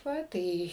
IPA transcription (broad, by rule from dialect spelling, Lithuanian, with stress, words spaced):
ˈʋɐ ˈtɐɪ